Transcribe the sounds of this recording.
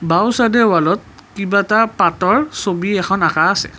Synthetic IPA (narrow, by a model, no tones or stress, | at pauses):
bawsadɛwalɔt̚ | kibatapatɔɹsobiɛxʰɔnakaːsɛ̰